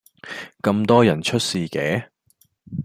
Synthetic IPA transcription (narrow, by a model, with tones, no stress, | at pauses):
kɐ˧mt̪ɔː˥jɐ˨˩nt͡ʃʰɵ˥t̚siː˨˧kɛː˨˥